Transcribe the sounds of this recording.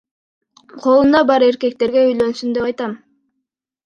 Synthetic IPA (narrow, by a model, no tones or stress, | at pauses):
qʰo̞lˠund̪ɑbɑɾe̞ɾke̞k̚t̪e̞ɾɡe̞yjlønsynd̪e̞pɑjt̪ɑn